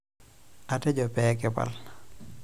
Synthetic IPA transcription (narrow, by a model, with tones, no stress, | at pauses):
a˨tɛ˦d͡ʒɔ˨pɛ˦kɪ˦pa̰l